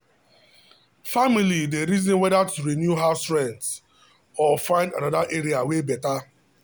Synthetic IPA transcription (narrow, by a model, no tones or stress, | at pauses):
familideɾizɔ̃nwɛdatuɾinjuɦastɹɛ̃nds | ɔfãɪ̃ndanadaʔeɾiawebɛta